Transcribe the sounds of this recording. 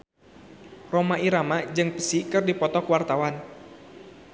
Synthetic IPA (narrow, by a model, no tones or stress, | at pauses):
romaiɾamad͡ʒɨŋpə̥sikɨrdipɔt̪ɔkəwart̪awan